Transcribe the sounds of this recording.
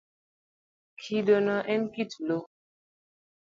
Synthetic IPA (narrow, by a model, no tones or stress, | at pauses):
kʰidɔnaʔɛnkitlo